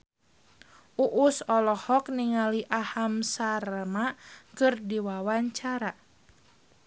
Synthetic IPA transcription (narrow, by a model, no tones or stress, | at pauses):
ʔuʔusɔlɔhɔkniŋaliʔahamsarmakɨrdiwawaɲt͡ʃaɾa